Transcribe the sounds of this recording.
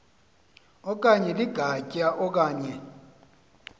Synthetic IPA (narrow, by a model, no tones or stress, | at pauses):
ɔk̬aɲɛliɡ̥ʱacʼaʔɔk̬aːɲɛ